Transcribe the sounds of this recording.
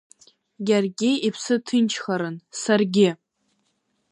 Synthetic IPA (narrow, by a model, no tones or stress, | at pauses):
ɡʲarɡʲɪipʰsɨtʰɨnt͡ʃʰχaɾɨnsarɡʲɪ